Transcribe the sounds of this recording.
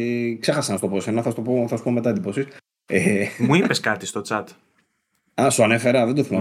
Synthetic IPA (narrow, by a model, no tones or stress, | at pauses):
kse̞xɐsɐnɐst̪oposenɐθɐst̪opoθɐsu̥po̞met̪ɐed̪ipo̞sis | emuipeskɐt̪ist̪o̞t͡sɐt̪ | ɐsuɐne̞fe̞ɾɐðed̪oθimɐ